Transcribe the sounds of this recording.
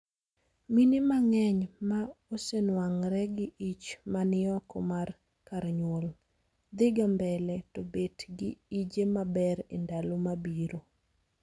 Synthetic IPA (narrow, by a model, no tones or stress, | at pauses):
minɪmaŋɛɲmaosenwaŋɾɛɡɪʔit͡ʃmanɪɔkɔmar | kaɾɲwol | d̪ɪɡambɛlɛtɔbetɡɪid͡ʒemabɛɾḛndalomabiɾo